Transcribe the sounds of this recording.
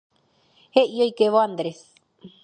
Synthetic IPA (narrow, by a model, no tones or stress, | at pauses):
heʔiojkeʋoand̪ɾes